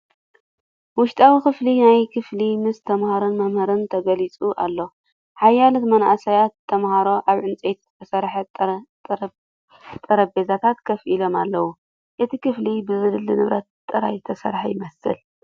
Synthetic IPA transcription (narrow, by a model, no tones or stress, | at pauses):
wʊʃt̪ʼawikɨflinajkʰɨflimɨst̪ʰɐmhaɾonmɐmhɐɾɨnt̪ʰɐɡɐlit͡sʼuʔa̰lːo̞ | ħajːalot̪mɐnasajat̪ʰːɐmhaɾo̞ʔaβʕɨnt͡sʼet̪ʰɨt̪ʰɐsɐɾħ | t̪ʼɐɾɐbezat̪ʰat̪kʰɐfʔilo̞malːɐwu | ʔɨt̪ʰikʰɨflibɨzɨlɨlːinɨβɾɐt̪t̪ʼːɨɾa̰jzɨt̪ʰɐsɐ̰ɾħajɪmɐsɨ̰l